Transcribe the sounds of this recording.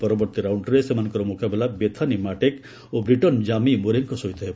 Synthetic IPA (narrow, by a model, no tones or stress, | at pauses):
pɔɾɔbɔɾt̪iɾawɳʈɔɾesemanɔ̃ŋkɔɾɔmukabelabet̪ʰanimaʈek | obɾiʈɔnd͡ʒamimuɾeŋkɔsɔit̪ʰɔɦe